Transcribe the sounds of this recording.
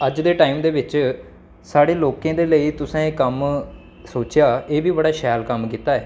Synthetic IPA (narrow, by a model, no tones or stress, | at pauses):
əd͡ʒd̪eːʈaːiːmd̪eːʋɪt͡ʃ | saːɽeːloːkẽːd̪eːləiːt̪ʊsãːekəm | soːt͡ʃɪjaːeːbiːbəɽaːʃɛːlkəmkiːt̪aːɛː